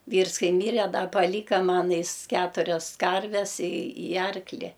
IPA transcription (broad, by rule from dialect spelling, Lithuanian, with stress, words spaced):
ˈʋʲiːrs ˈkɐɪ ˈmʲiːrʲɛ ˈdɐ pɐˈlʲiːkɐ ˈmɐn ˈjɪs ˈkʲæːtʊrʲɛs ˈkɐrʲʋʲɛs ɪ ɪ ˈɐrklʲɪ